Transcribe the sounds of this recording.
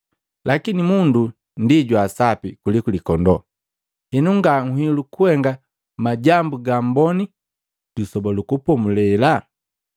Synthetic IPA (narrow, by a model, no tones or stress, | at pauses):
lakinimundu | ndiɟwasapikulikulikɔndɔ | hɛnuŋɡaŋ̩hilukuhɛŋɡa | maɟambuɡam̩bɔni | d̥usɔbɔlukupɔmulɛla